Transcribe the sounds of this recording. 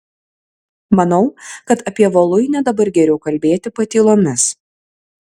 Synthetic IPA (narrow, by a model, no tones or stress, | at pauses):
mɐnɒʊkɐt̪ɐpʲiɛʋolˠʊɪnʲɛd̪ɐbɐɾɡʲɛɾʲɛʊkɐlʲbʲeːt̪ʲɪpɐt̪ʲiːlˠoːmʲɪs